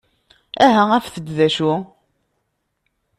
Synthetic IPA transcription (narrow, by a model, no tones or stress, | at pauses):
æɦææfθəd̪ðæʃu